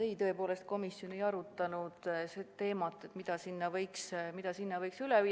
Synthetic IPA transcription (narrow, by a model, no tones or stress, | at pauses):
ejt̪ɤ̞e̞po̞ːle̞st̪̚ko̞misjo̞ne̞jɑɾut̪ːˑɑnud̪set̪e̞ːmɑt̪ːˑet̪mid̪̥ɑsinːɑvɤjksmid̪̥ɑsinːɑvɤjksylɛviː